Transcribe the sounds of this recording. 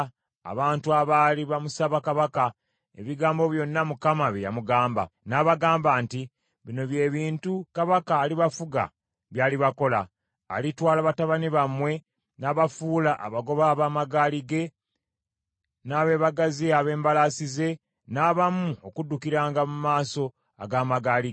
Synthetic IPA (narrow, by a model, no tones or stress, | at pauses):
a̰βaːntuaβaːliβamusaβakaβaka | e̞̰βiɡaːmbo̞βjo̞nːamukamaβija̰muɡaːmba̰naβaɡaːmbaːnti | βino̞βje̞ːβiːntukaβakaːliβafuɡa̰ | βjaːliβako̞la̰ː | litwaːlaβataβaniβamwe̞ | naːβafuːlaʔa̰βaɡo̞βaβaːmaɡaːliɡe̞ | naːβe̞ːβaɡaziaβe̞ːmbalasize̞ | naːβamuokudːukiɾaːŋɡamumaːso̞ | a̰ɡaːmaɡaːliɡ